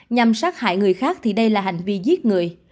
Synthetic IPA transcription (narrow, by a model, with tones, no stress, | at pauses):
ɲa˨˩msaː˦˥t̚ha̰ː˧˩jŋɨ˨˩əjxaː˦˥k̚t̪ʰi˨˩ɗə˧jlaː˨˩ɦa̰˧˨˩jŋ̟vi˧zi˦˥t̚ŋɨ˨˩əj